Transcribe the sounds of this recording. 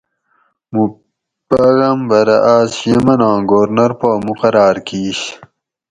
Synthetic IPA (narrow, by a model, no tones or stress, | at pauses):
mu | pɐɣɐmbɐɾɐʔaːzɕemɐnãːɡoːɾnɐɾpoːmuqɐɾaːɾkiːɕ